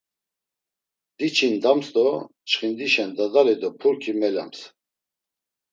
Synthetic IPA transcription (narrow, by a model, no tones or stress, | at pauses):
d̪̥it͡ʃʰind̪amst̪ɔ | t͡ʃχind̪iʃɛnd̪ad̪aɾɛd̪ɔpʰuɾkʰimɛla̰ms